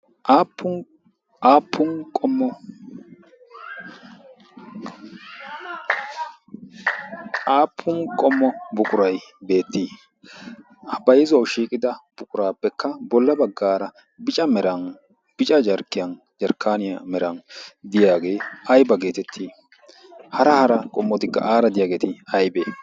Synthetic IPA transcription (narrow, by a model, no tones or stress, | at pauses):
ʔaːpːʊ | aːpʰːʊnkʼɔmːɔ | aːpʰːʊnkʼɔmːɔbʊkʼʊɾɐjbe̞ːt̪ʰːiː | ɐbɐjɛzɐwʃiːkʼɪd̪ɐb̥ʊkʼʊɾaːpːɛkːɐbɔlːɐbɐɡːaːɾɐ | bɪt͡ʃʼɐmɛɾɐn | b̥ɪt͡ʃʼɐd͡ʒɐɾkːɪjɐn | d͡ʒɐɾkːaːnɪjamɛɾɐnd̪ɪjaːɡe̞ːɐjbɐɡe̞ːt̪ɛt̪ʰːiː | hɐɾɐhɐɾɐkʼɔmːɔt̪ɪkːɐ̰ʔaːɾɐd̪ɪjaːɡeːt̪ɪɐjbeː